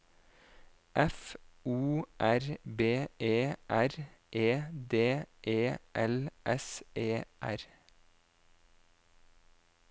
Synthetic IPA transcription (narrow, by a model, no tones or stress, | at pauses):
ʔɛfuːʔæɾbeːʔeːʔæɾʔeːd̪eːʔeːʔɛlʔɛseːʔæɾ